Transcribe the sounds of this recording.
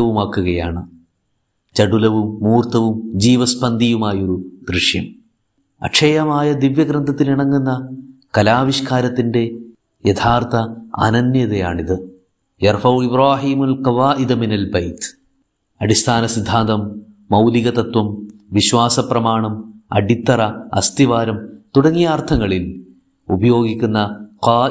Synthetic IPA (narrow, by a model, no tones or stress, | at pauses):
ɐʋumaːkːuɣɐjaːɳɨ | t͡ɕɐɽulɐʋumːuːrt̪ɐʋumd͡ʑiːʋɐspɐnd̪ʱijumaːjo̞ɾud̪ɾiʂjɐm | ɐ̰ʈʂʰɐjɐmaːjɐd̪iʋjɐɡrɐnd̪ʱɐt̪ːiliɳɐŋːunːɐkɐlaːʋiɕkaːɾɐt̪ːinde | jɐt̪ʰaːrt̪ʰɐɐ̰nɐnjɐðɐja̰ːɳiðɨ | jɐrfɐwibraːɦiːmɐlkɐʋaːʔid̪minɐlbɐjt̪ | ɐɽist̪ʰaːnɐsid̪ʱːaːnd̪ɐmː | ɐwliɣɐt̪ɐt̪wɐmʋiɕwaːsɐprɐmaːɳɐmɐ̰ɽit̪ːɐrɐɐ̰st̪iʋaːɾɐmt̪uɽɐŋːijaːrt̪ʰɐŋːɐɭil | ubɐjo̞ːɡikʲːunːɐqaː